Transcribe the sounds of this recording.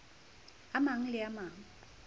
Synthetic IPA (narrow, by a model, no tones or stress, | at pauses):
amaŋ̩lɪamaːŋ̩